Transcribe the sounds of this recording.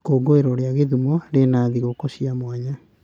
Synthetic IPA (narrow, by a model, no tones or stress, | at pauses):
koɡoeɾɔɾeaɣeðumɔɾenaːðiɣokoɕiamwaɲa